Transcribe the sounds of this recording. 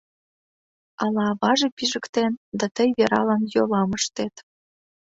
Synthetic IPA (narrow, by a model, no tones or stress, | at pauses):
ɑlɑβɑʒepiʒə̆kt̪end̪ɑt̪əjβeɾɑ̰lɑnjolɑməʃt̪et̪